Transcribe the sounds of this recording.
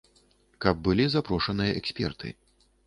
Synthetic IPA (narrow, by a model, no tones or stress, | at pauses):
kɐb̚ːɨlʲizapɾɔʂɐnɨjɐʔɛksʲpʲɛ̰rt̪ɨ̰